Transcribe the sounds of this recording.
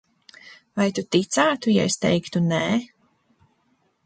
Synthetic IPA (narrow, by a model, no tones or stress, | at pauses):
vajt̪ut̪it̪saːt̪uja̰est̪ɛ̰jkt̪unɛː